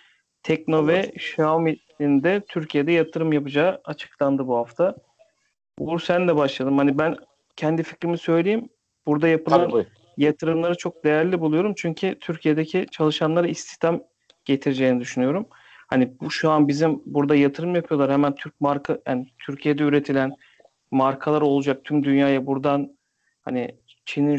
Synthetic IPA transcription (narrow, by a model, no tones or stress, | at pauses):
t̪ʰɛc̚no̞vɛʃami | ind̪ɛt̪ʰyɾcʰijed̪ɛjat̪ʰɯɾɯmjapɯd͡ʒaːat͡ʃʰɯ̥klˠand̪ɯbuhaft̪ʰa | uɾsænd̪ɛbaʃlˠad̪ɯmhanibæn | cʰɛnd̪ifi̥climisø̞jlʲejim | buɾd̪ajapɯlˠan | jat̪ʰɯɾɯmlˠaɾɯt͡ʃʰo̞k̚d̪e̞jæɾlʲibulˠujo̞ɾumt͡ʃʰyɲcʰit̪ʰyɾcʰije̞d̪ecʰit͡ʃʰalˠɯʃanlˠaɾɯist̪ʰi̥çt̪ʰam | ɟ̥e̞t̪ʰiɾed͡ʒejnid̪yʃynyjo̞ɾum | hanibuʃuanbizimbuɾd̪ajat̪ʰɯɾɯmjapʰɯjolˠaɾhɛmænt̪ʰyɾc̚maɾkʰaha̰nit̪ʰyɾcʰije̞d̪ɛyɾe̞t̪ʰilʲæn | maɾkʰalˠaɾo̞lˠud͡ʒak̚t̪ʰymd̪ynjaːjabuɾd̪an | ha̰ni | t͡ʃʰinin